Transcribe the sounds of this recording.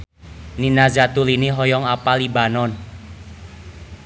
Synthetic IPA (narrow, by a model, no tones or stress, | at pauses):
ninazat̪uliniɦɔjɔŋapalibanɔn